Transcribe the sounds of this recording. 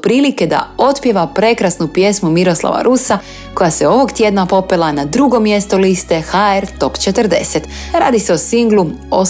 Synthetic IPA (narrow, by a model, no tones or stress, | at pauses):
pɾiːlike̞d̪a̰o̞t̪pje̞ʋapɾe̞kɾasnupje̞smumiɾo̞slˠa̰ʋa̰ɾʔusa | ko̞jaseo̞ʋo̞ɡt̪je̞d̪napo̞pelanad̪ɾuɡo̞mje̞st̪o̞list̪e̞xaeɾt̪o̞pt͡ʃet̪əɾd̪e̞set̪ | ɾa̰ːd̪ise̞osiŋɡlu | o